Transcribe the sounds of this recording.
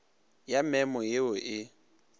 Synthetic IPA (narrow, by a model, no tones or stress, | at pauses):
jamɛmɔjeʊʔɪ